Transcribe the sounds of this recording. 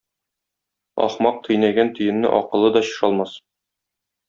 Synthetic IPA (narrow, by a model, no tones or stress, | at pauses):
ɒ̰χmɑq̚t̪ʰɤ̆jnæɡænt̪ɵ̆jɘ̆nːɘ̰ʔɒqɤ̆lˠɤd̪ɒɕɤ̥̆ʃɑlˠmɑs